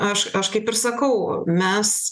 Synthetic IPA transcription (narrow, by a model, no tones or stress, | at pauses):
ɐʃɐʃkɐɪpɪɾsɐkɐʊmʲɛs